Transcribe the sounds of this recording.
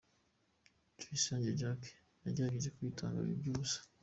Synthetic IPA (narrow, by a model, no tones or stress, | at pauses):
t͡ʃuisaːɲɟed͡ʒake̥ | naɟeɾaɡeʒekuitʰa̰ːŋɡa̰βḭbɟuzḁ